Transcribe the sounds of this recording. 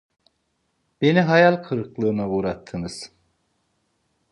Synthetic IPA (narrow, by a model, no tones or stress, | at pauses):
b̥e̞niɦajalʲkʰɯɾɯklˠɯːnauɾat̪ʰːɯnɯz̥